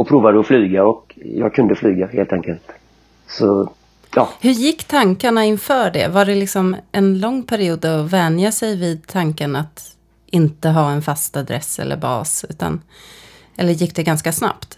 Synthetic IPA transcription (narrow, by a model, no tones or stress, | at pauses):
ɔpʰɾuːvad̪əɔflyːɡaɔkjɑ̰ːɡ̚kʰɵnd̪əflyːɡaheːlt̪ʰɛŋkəlt̪ | sɔ | jɑːhɵjɪkːt̪ʰaŋkaɳaɪnfœːɖɛ̰vaɖɛlɪksɔmʔɛnlɔŋːpʰæɾɪuːd̪ɔvɛnjasɛjvɪːd̪̚t̪ʰaŋkaɳat̪ | ɪnt̪əɦɑːɛnfast̪ad̪ɾɛ̰sːɛ̰lːə̰ɾbɑ̰ːsʉ̟ːt̪a̰n | ɛlːəɾjɪk̚ːd̪ɛɡanskasna̰pt̪